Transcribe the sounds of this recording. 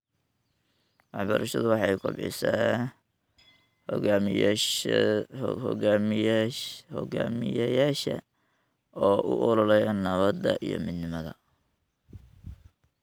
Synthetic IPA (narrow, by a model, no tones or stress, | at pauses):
wɑħbɐɾʔɐʃɐðʊwɑħɑjkʰʊ̰bɪ̰saː | hɔ̰ɡm | hɔɡa̰ːmɪjɛjaːʃɐ̰ | ɔːʔʊʔɔlɔlɛjɐnɐβɐd̪ɐʔijɔ̰mɪd̪nɪmɐðɐ